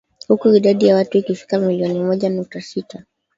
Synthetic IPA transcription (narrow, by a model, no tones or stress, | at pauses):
hukuiɗaɗijawatuikifi̥kamiliɔnimɔʄanuk̚tasita